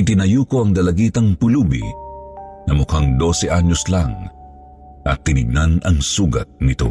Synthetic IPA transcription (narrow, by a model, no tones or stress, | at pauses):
ɪt̪ɪnɐjuːkoɐŋd̪ɐlɐɡiːt̪ɐŋpʊluːbḭ | nɐmʊkaŋd̪o̞sɛʔaɲːoslaŋ | ʔɐ̰t̪ːɪnɪɡ̚nanɐŋsuːɡɐ̰t̪̚nɪt̪o̞̰